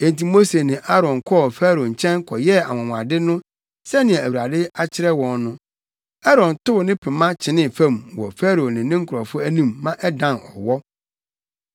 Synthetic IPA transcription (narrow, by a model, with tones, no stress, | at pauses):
ɛ̃˨n˨ti˨mo˦se˨nɪ̃˨ʔa˦ɾɔ̃˨nkʰɔ˦˨fæː˦ɾo˨ɲ̩˨t͡ɕʰɛ̃˦ŋkʰɔ˨jɛ˦a̰˨wɔ̃˨ŋʷ˨a̰˨dɪ˦nʊ̃˦ | sɛ˦nɪ̃˨ɛ̃˨æ˨wu˨ɾa˨dɪ˦a˦t͡ɕʰɪ˦ɾɛ˦wɔ̃˨nːʊ̃˦ | a˦ɾɔ̃˨n˨tʊ˦˨nɪ̃˦pʰɪ̃˨mã˦t͡ɕʰɪ˨nɪ̃˦fæ̃˦˨mwɔ˨fæ˦ɾo˨nɪ̃˨nɪ̃˦ŋ̩˦kʰʊ˨ɾɔ˨fʊ˦æ˦nĩ˦mːã˦ʔɛ˦dã˨nɔ̰˨wɔ˦